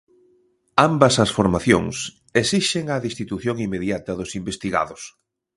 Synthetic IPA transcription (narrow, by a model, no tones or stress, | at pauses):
ambɐsɐsfoɾmaθjo̰ŋs | esiʃeŋɐðist̪it̪uθjoŋimːeðjat̪ɐðʊsimbest̪iɣa̰ðʊs